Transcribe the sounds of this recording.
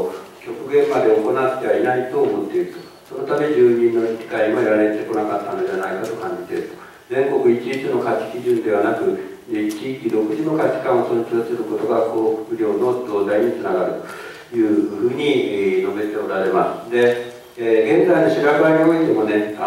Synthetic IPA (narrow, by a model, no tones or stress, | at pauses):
kʲo̞kɯ̟ɡẽ̞mbad̪e̞oko̞nat̪ːe̞βainait̪o̞ːmo̞t̪ːe̞iɾɯ̟t̪o | so̞no̞t̪ame̞ɲʑd͡ʑɨːɲ̟ĩnːo̞ɾʲikʲi̥kaiɲimajaɾaɾe̞t̪ːe̞ko̞nakat̪ːanod̪eanaikat̪o̞kãɲ̟d͡ʑi̥t̪e̞̰ɾɯ̟t̪o̥ | d͡zẽ̞ŋko̞kɯ̟it͡ɕiit͡sɨno̞kakʲːi̥kʲiʑɨ̃nd̪e̞βanakɯ̟ | it͡ɕikʲiɾo̞kɯ̟ʑino̞kakʲi̥kãɰ̃o̞sonikʲiosɨɾɯ̟ko̞t̪o̞ɡako̞ːɸɯ̟̥kɯ̟ɾʲo̞ːno̞d̪oːd̪aiɲʲit͡sɨnaɡaɾɯ̟t̪o̥ | jɯ̟ːɸɯ̟ːɲ̟ino̞be̞t̪e̞oɾaɾe̞masɨ̥d̪e̞ | ɡẽ̞nzaino̞ɕiɾabaɲioit̪emone̞